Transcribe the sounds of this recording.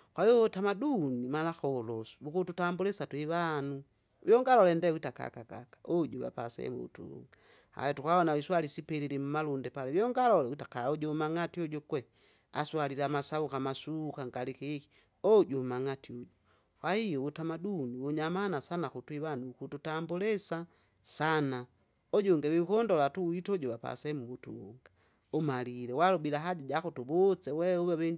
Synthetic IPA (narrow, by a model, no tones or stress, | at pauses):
kwaiɔotamadunimalaxɔlɔsu̥βukututambulɛsatwiβanu | βjɔŋɡalɔlɛndɛwitaka̰kaka̰kḁʔod͡ʒuβa̰pasɛ̰mṵṵtṵlṵŋɡa | ha̰jɔtukaɔnaβiswalisipɛɾilim̩malundɛpalɛβjɔŋɡalɔlɛwitakaoɟɔmaŋatiɔd͡ʒɔkwɛ | a̰swaliɾamasaβukamasukaŋɡalikiki̥ | ɔɟɔmaŋatiɔɟɔ | wahijɔwutamaduniwɔɲamanasanakutwiβanukututambulɛsa | sana | ɔɟɔŋɡɛwiukɔndɔlatuitɔɟɔβapa̰sɛmuwutṵwɔ̰ŋɡa | umalilɛwalɔbilaɦaɟaɟakutuβɔt͡sɛwɛuβɛβɛɲ